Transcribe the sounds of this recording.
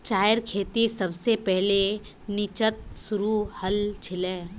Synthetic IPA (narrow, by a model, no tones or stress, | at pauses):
t͡ʃaːjəɾkʰeːt̪isəbsepɛɦle | nɪt͡ʃət̪̚sʊɾuhəlt͡ʃʰɪleː